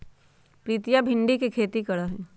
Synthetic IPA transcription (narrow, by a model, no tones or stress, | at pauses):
pɾiːt̪ijabʱɪ̃ɳɖikikʰeːt̪ikɐɽaɦɛ